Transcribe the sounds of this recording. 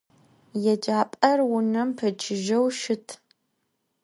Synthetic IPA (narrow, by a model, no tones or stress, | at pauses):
jɛd͡ʒaːpʼɐrwʊnɐmpʰɐt͡ʃʰɪʒɐwʃɪtʰ